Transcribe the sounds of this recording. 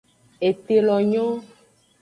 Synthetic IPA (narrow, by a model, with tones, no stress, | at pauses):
e˨t̪e˨lɔ˨ɲɔ̃˦